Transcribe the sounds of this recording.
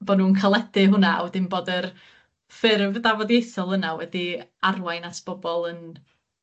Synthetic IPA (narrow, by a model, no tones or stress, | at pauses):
b̥ɔnuːnkʰalˠɛdɨɦʊnaa̰wɛdɪmboːdər | fɪrvdavɔdjejθɔlˠənawɛdiarwajnasb̥ɔbɔlˠən